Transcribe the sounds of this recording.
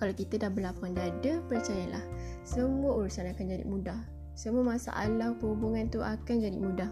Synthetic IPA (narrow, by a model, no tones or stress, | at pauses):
kalakit̪ədahbəlapandadəpərt͡ʃajala̰h | səmuauɾusanakand͡ʒadḭmũdah | səmuamasa̰ʔa̰lawpəhubuŋãnt̪uʔakand͡ʒadḭmũdah